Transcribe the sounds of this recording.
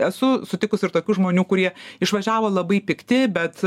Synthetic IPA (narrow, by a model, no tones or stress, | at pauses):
ɛsʊsʊt̪ʲɪkʊsʲɪɾt̪oːkʲuːʒmoːnʲuːkʊɾʲiɛɪʃʋɐʒʲæːʋoːlˠɐbɐɪpʲɪkt̪ʲɪbʲɛt̪